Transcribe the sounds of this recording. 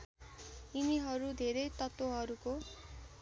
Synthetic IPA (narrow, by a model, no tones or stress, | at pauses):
iniɦʌɾud̪ʱeɾʌjt̪ʌt̪woɦʌɾuko